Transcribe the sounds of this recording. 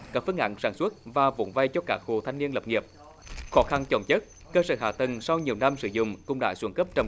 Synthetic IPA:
kaː˦˥k̚fɨ˧əŋʔa̰˧˨ŋ̟saː˧˩nsu˦˥ət̚vaː˨˩vo̰˧˨˦nva˧jt͡ɕɔ˧kaː˦˥k̚ho˨˩t̪ʰa˧ŋni˧ənlə˨˩p̚ŋi˨˩əp̚ | xɔ˨˦xa˧nt͡ɕə˨˧˩wŋ͡mt͡ɕə˦˥t̚ | kəː˧səː˧˩ɦa̰ː˧˨˩t̪ə˨˩ŋsa˧wɲi˨˩əwna˧msɨ˧˦zʊ̰˧˨ŋ͡mkʊ̰˧˥ŋ͡mɗa̰ː˧˥swə˧˩nkə˦˥p̚t͡ɕə˧˩

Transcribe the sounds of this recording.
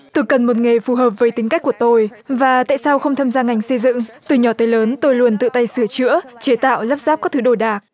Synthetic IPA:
t̪o˧jkə˨˩nmo˨˩t̚ŋe˨˩fu˨˩ɦəː˨˩p̚vəː˨˦jt̪i˨˦ŋka˦˥k̟̚ku˧˩ət̪o˧jvaː˨˩t̪a̰ː˧˨jsa˧wxə˧wŋ͡mt̪ʰaː˧mzaː˧ŋa˨˩jŋ̟sə˧jzɨ̰˧˨ŋt̪ɨ˨˧˩ɲɔ˧˩t̪əː˨˦jləː˨˦nt̪o˧jlu˧˩ənt̪ɨ̰˧˨t̪a˧jsɨ˧˩ət͡ɕɨ̰˧˥ət͡ɕe˨˦t̪a̰ː˧˨wləː˦˥p̚zaː˦˥p̚kɔ˦˥t̪ʰɨ˨˦ɗo˧˩jɗaː˨˩k̚

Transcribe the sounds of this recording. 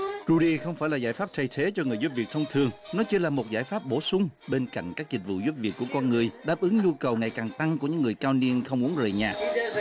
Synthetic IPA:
ɾu˧ɗi˧xə˧wŋ͡mfaː˧˩jlaː˨˩zaː˧˩jfaː˦˥p̚t̪ʰə˧˩jt̪ʰe˨˦t͡ɕɔ˧ŋɨ˨˩əjzu˦˥p̚vi˨˩ək̚t̪ʰə˧ŋ͡mt̪ʰɨ˨˩əŋnɔ˨˦t͡ɕi˧laː˨˩mo˨˩t̚zaː˧˩jfaː˦˥p̚ɓo˧˩sʊ˨˧˦ŋ͡mɓe˧nka̰˧˨jŋ̟kaː˦˥k̚zï̟˨˩vṵ˧˨zu˦˥p̚vi˨˩ək̚ːu˧˩əkɔ˧nŋɨ˨˩əjɗaː˦˥p̚ʔɨ˨˦ŋɲu˧kə˨˩wŋa˨˩jkaː˨˩ŋt̪a˧ŋku˧˩əɲɨ̰˧˥ŋːɨ˨˩əjkaː˧wni˧ənxə˧wŋ͡mʔu˨˦əŋzəː˨˩jɲaː˨˩ʔ̚

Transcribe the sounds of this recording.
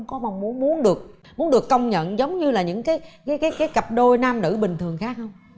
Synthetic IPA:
wŋ͡mkɔ˨˦ma˨˩wŋ͡mmu˨˦ənmu˨˦ənɗɨ˨˩ək̚ | mu˨˦ənɗɨ˨˩əkːə˧wŋ͡mɲə̰˧˨nzə˨˦wŋ͡mɲɨ˧laː˨˩ɲɨ̰˧˥ŋkaː˨˦jkaː˨˦jkaː˨˦jkaː˨˦jkə˨˩p̚ɗo˧jnaː˧mnɨ̰˧˩ɓï˨˩ŋ̟t̪ʰɨ˨˩əŋxaː˦˥k̚hə˧wŋ͡m

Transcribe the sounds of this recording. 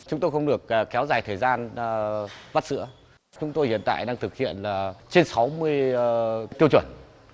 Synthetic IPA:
t͡ɕʊ˨˦ŋ͡mt̪o˧jxə˧wŋ͡mɗɨ˨˩ək̚ːkːɛ˨˦wzaː˨˩jt̪ʰəː˨˩jzaː˧n˨ | va˦˥t̚sɨ̰˧˥ə | t͡ɕʊ˨˦ŋ͡mt̪o˧jhḭ˧˨ənt̪a̰ː˧˨jɗaː˧ŋt̪ʰɨ˨˩k̚hḭ˧˨ənlaː˨˩t͡ɕe˧nsa˨˦wmɨ˧əj | t̪i˧əwt͡ɕwə˧˩n

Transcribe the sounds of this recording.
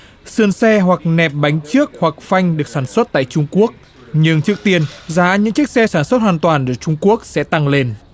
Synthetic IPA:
sɨ˧˩ənsɛ˧ɦwa˨˩k̚nɛ˨˩p̚ɓa˨˦jŋ̟t͡ɕɨ˦˥ək̚hwa˨˩k̚fa˧jŋ̟ɗɨ˨˩ək̚saː˧˩nswə˦˥t̚t̪a̰ː˧˨jt͡ɕʊ˧ŋ͡mku˦˥ək̚ | ɲɨ˧ŋt͡ɕɨ˦˥ək̚t̪i˧ənzaː˨˦ɲɨ̰˧˥ŋt͡ɕɨ˦˥k̚sɛ˧saː˧˩nswə˦˥t̚hwaː˨˩nt̪waː˨˩nɗɨ˧˩t͡ɕʊ˧ŋ͡mku˦˥ək̚sɛ̰˧˥t̪a˧ŋle˧n

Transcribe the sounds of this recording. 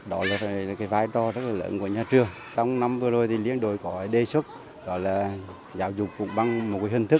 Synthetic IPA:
ɗɔ˨˦laː˨˩fkaː˨˦jvaː˧jt͡ɕɔ˧zə˦˥t̚laː˨˩lə̰ː˧˦nku˧˩əɲaː˧˩t͡ɕɨ˨˩əŋ | t͡ɕɔ˧wŋ͡mna˧mvɨ˧əzo˨˩jt̪ʰi˨˩lḭ˧˥ənɗo˨˩jkɔ˨˦˨ɗe˧swə˦˥t̚ | ɗɔ˨˦laː˨˩ | zaː˨˦wzʊ˨˩k͡p̚kʊ̰˧˥˦ŋ͡mɓa˧ŋm̚˨˩ka˨˦hi˧˩ŋt̪ʰk̚

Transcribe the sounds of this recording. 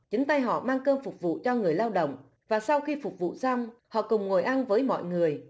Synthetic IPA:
t͡ɕi˨˦ŋ̟t̪a˧jɦɔ̰˧˨maː˧ŋkəː˧nfʊ˨˩k͡p̚vṵ˧˨t͡ɕɔ˧ŋɨ˨˩əjlaː˧wɗə̰˧˨wŋ͡m | vaː˨˩sa˧wxi˧fʊ˨˩k͡p̚vṵ˧˨sa˧wŋ͡mhɔ̰˧˨kʊ˨˩wŋ͡mŋo˨˩jʔa˧nvəː˨˦jmɔ̰˧˨jŋɨ˨˩əj

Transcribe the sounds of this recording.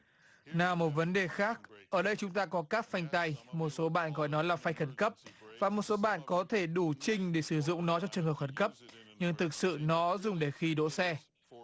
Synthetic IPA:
naː˨˩mo˨˩t̚və˨˦nɗe˨˩xaː˦˥k̚ʔəː˧˩ɗə˧jt͡ɕʊ˨˦ŋ͡mt̪aː˧kɔ˨˦kaː˦˥k̚fa˧jŋ̟t̪a˧jmo˨˩t̚so˨˦ɓa̰ː˧˨nɣɔ̰˧˨jnɔ˨˦jlaː˨˩fa˧jxə˧˩nkə˦˥p̚vaː˨˩mo˨˩t̚so˨˦ɓa̰ː˧˨nkɔ˨˦t̪ʰe˧˩ɗu˧˩t͡ɕï˧ŋ̟ɗe˧˩sɨ˧˩zʊ̰˧˨ŋ͡mnɔ˨˦t͡ɕɔ˧t͡ɕɨ˨˩əŋhəː˨˩p̚xə˧˩nkə˦˥p̚ɲɨ˧ŋt̪ʰɨ˨˩k̚sɨ̰˧˨nɔ˨˦zʊ˨˩ŋ͡mɗe˧˩xi˧ɗo̰˧˨sɛ˧

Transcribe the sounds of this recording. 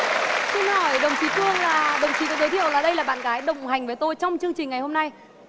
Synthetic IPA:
si˧nhɔ˧˩jɗə˨˩wŋ͡mt͡ɕi˧˩˦t̪ɨ˧əŋlaː˨˩ɗə˨˩wŋ͡mt͡ɕi˨˩kɔ˨˦zə˨˦t̪ʰḭ˧˨əwlaː˨˩ɗə˧jlaː˨˩ɓa̰ː˧˨nɣaː˨˦jɗə̰˨˧˨wŋ͡mha˨˩jŋ̟vəː˨˦jt̪o˧jt͡ɕɔ˧wŋ͡mt͡ɕɨ˧əŋt͡ɕï˨˩ŋ̟ŋa˨˩jho˧mna˧j

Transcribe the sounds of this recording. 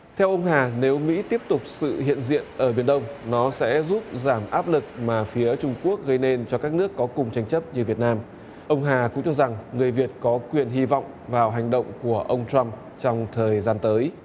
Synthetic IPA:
t̪ʰɛ˧wʔə˧wŋ͡mɦaː˨˩ne˨˦wmḭ˧˥t̪i˦˥əp̚t̪ʊ˨˩k͡p̚sɨ̰˧˨hḭ˧˨ənzḭ˧˨ənʔəː˧˩ɓi˧˩ənɗə˧wŋ͡mnɔ˨˦sɛ̰˧˥zu˦˥p̚zaː˧˩mʔaː˦˥p̚lɨ˨˩k̚maː˨˩fi˨˦ət͡ɕʊ˧ŋ͡mku˦˥ək̚ɣə˧jne˧nt͡ɕɔ˧kaː˦˥k̚nɨ˦˥əkːɔ˨˦kʊ˨˩ŋ͡mt͡ɕa˧jŋ̟t͡ɕə˦˥p̚ɲɨ˧vi˨˩t̚naː˧m | ʔə˧wŋ͡mɦaː˨˩kʊ̰˧˥ŋ͡mt͡ɕɔ˧za˨˩ŋːŋɨ˨˩əjvi˨˩ət̚kɔ˨˦kwi˨˩ənɦi˧vɔ̰˧˨wŋ͡m | vaː˨˩wɦa˨˩jŋ̟ɗə̰˧˨wŋ͡mku˧˩əʔə˧wŋ͡mt͡ɕa˧m | t͡ɕɔ˧wŋ͡mt̪ʰəː˨˩jzaː˧nt̪əː˨˦j

